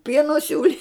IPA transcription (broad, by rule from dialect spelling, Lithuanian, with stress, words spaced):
ˈpʲiɛnoː ˈsʲuːlʲɪ